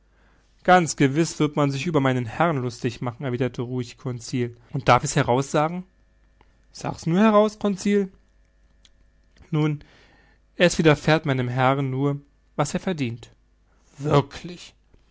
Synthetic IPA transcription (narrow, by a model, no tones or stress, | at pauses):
ɡ̥ant͡sɡ̥əvɪsv̥ɪɐtmanzɪçʔyːbɐmaɪnənhɛʁnlʊstɪçmaχn̩ɛɐviːdɐtʰəʁuːɪçkʰɔnt͡siːlʔʊnt̚d̥aɐfɛshɛʁaʊsz̥aːɡŋ̩ | z̥a̰ːɡsnuːɐhɛʁaʊskʰɔnt͡siːl | nuːn | ʔeːsv̥iːdɐfeːɐtmaɪnəmɦɛʁənːuːɐ | vaseːɐfɛɐdiːnt | v̥ɪɐkʰlɪç